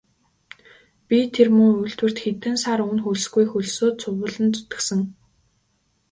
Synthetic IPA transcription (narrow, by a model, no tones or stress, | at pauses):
pʲit̪ʰermɵŋujɮt̪wɘ̆r̥t̪xet̪ɘ̆nsaɾɵnxuɮ̆sɡujxuɮsoːt̪̚t͡sʰʊwə̆ɮɘ̆nt͡s̪ʊt̪ɘ̆sɘ̆ŋ